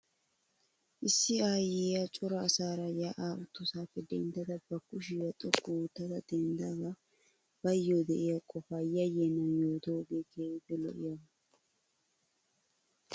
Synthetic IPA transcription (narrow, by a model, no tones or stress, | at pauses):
ʔɪsːɪaːjeːjat͡ʃʼʊɾɐːsaːɾɐjaʔaːʔʊt̪ːʊsaːpːɛd̪ɛnd̪ɐt̪ɐbɐkːʊʃɪwɐt̪ʼɔkːuʊt̪ːɐt̪ɐd̪ɛnd̪aɡa | b̥ɐjːoːd̪ɛʔɪjakʼɔfaːjɐjeːnːɐjoːt̪oːɡeːɡɛɪbɛlɔ̰ʔɪjɐ